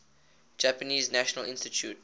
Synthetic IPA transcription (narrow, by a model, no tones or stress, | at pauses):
d͡ʒæpəniːznæʃənəlɪ̃nstitʰjṵːt